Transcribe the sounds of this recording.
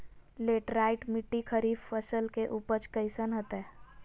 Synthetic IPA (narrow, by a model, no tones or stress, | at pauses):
leːʈɾaːɪʈmɪʈːikʰəɾiːffəsəlkeʔuːpəɾt͡ʃkəɪsənɦət̪ɛː